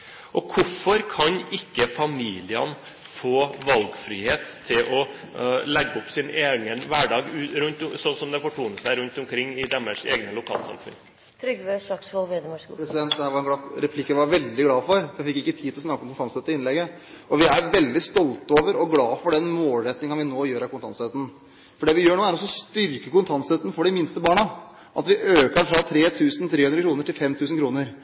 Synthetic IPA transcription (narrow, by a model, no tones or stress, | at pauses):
ʔɔkʰʊfɔɾkʰɑɲɪkːəfɑmiːlɪə̰n | foːʋɑlɡfɾiːheːt̪ʰːɪlʔɔ | lɛɡːɔpsɪneːɡənʋæɖɑːɡʉɾʉnt̪sɔnsɔmd̪ɛfɔʈʰuːnəsæɪɾʉnt̪ʊmkʰɾɪŋːɪd̪ɛmːəʂḛːɡnəlʊkʰɑ̰ːlsɑ̰mfʉ̰n | t̪ʰɾʏɡʋeʂɑksɑlʋeːd̪əmɔɾɛsɪd̪ɛnt̪̚d̪ɛhæːʋɑɾɛnɡlɑɾɛpʰlɪkːəʋɑɾʋɛld̪ɪɡlɑːfɔɾɔjfɪkːɪkːət̪ʰiːd̪ʰɪlɔsnɑkːɔmkʊnt̪ʰɑnsɛt̪ːəɪnlɛɡəɔʋɪæɾʋɛld̪ɪst̪ɔlt̪oːʋəɾɔɡlɑːfɔɖɛnmoːlɾɛt̪ːnɪŋəɑnʋɪnoːjøːɾɑkʰʊnt̪ɑ̰nsɛt̪n̩ | fɔɖɛːʋɪjøːɳoːæɾɔsɔst̪ʏɾkəkʊnt̪ʰɑnsɛt̪ən̩fɔɖɪmɪnst̪əbɑːɳə | ʔɑ̰t̪ʋɪʔøːkəfɾɑt̪ʰɾeːt̪ʰʉːsən̩t̪ʰɾeːhʉnɾəkʰɾuːnəʈɪlfɛmt̪ʰʉːsn̩kʰɾuːnəɾ